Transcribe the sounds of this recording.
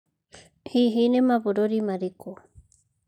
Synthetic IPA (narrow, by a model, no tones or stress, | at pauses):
hiɦinemaβoɾoɾimaɾiko